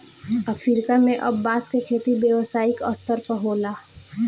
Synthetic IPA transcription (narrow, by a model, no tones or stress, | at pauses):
əfʰiɾkamẽʔɐbːaːskekʰeːt̪ibjəʋsaːikəst̪əɾpəɦoːlaː